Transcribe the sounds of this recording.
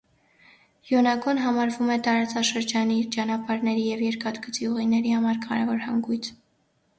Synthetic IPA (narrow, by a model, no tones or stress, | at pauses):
jɔnɑɡɔnɦɑmɑɾvumɛt̪ɑɾɑt͡sɑʃəɾd͡ʒɑnit͡ʃɑnɑpɑɾnɛɾijɛvjɛɾkɑd̪ɡət͡siuʁinɛɾihɑmɑɾkʰɑɾɛvɔɾhɑŋɡujt͡sʰ